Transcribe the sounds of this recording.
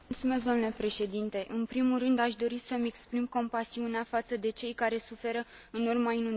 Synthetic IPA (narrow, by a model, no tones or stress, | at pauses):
t̪sume̞s̬d̪onule̞pɾe̞ʃe̞d̪int̪e̞ʔɨnpɾimulrɨnd̪aʃ̬d̪o̞ɾisəme̞kspɾimko̞mpasiuneafat̪səd̪e̞t͡ʃe̞jkaɾe̞sufe̞ɾə | ɨnurmainun